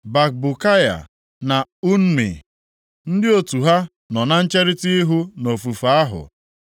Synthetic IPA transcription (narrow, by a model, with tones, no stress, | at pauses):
ba˨k̚bu˨ka˦ja̰˨ | na˨u˦n̩˦mḭ˨ | n̩˦dɪ˦o˨tu˨ɦa˦ | nɔ˨na˦n̩˦t͡ʃe˦ɾɪ˦ti˦i˦ɦu˦no˨fu˨fa˦ɦʊ̰˨